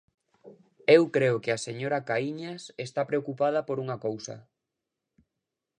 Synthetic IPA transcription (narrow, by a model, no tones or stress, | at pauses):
ewkɾeʊkeaseɲoɾakaiɲasest̪apɾeokupað̞ɐpoɾuŋɐkowsɐ̰